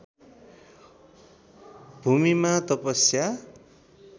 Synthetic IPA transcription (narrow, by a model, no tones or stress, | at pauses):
bʱumimat̪ʌpʌsja